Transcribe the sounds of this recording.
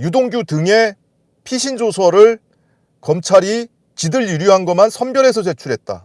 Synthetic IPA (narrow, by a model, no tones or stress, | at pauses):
judoŋɡjutɯŋe̞ | pʰiɕʰind͡ʑosʰʌɾɯɭ | kʌmt͡ɕʰaɾi | t͡ɕidɯɭjuɾjuɦanɡʌmansʰʌnbjʌɾe̞sʰʌt͡ɕe̞t͡ɕʰuɾɦe̞t̚t͈a̰